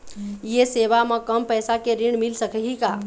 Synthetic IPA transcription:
jeseβamekəmpəjsakeɾiɳmilsəkɛɦika

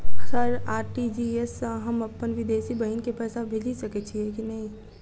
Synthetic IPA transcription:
sɐɾaːɾʈid͡ʒiesɦɐmɐpːənʋɪd̪eːsibɐɦinkepɛːsabʱeːd͡ʒisɐket͡ʃʰiekinɐɦĩ

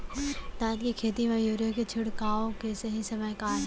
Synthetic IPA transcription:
d̪aːt̪kikʰeːt̪̬iʋajuːɾjoket͡ʃʰʊɽkaːokesɐɦĩsɐməjkaːɾ

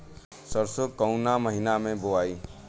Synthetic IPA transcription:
səɾsokəʊnaməɦɪnamẽboaːiː

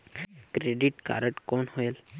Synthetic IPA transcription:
kɾeɖiʈka̰ɾəʈkɔnhojel

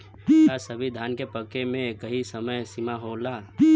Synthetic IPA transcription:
asəbʱid̪ʱaːnkepəkemẽkəɦisəməjsimaɦola

